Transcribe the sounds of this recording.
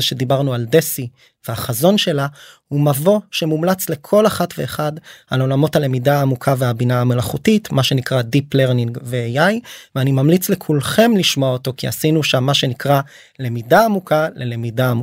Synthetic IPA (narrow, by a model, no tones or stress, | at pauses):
eʃe̞dibaʁnualdesi | veaχazo̞nʃe̞lahumavo̞ʃe̞mumlat͡sle̞kʰo̞laχatve̞ːχadalo̞lamo̞thale̞midaːmukʰaveabinaame̞laχutitmaʃe̞nikʁadipleʁniŋɡveejajveanimamlit͡slekʰulχe̞mliʃmoaoto̞kia̰sinuʃamːaʃe̞nikʁa | le̞midaːmukʰale̞lemidaːmu